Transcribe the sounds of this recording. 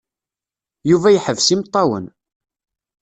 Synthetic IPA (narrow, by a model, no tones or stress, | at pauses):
juvæjħəvsimt̪ˤːɑwə̰n